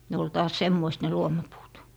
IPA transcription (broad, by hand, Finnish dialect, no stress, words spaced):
ne ol tɑːs semːoist ne luomɑpuːt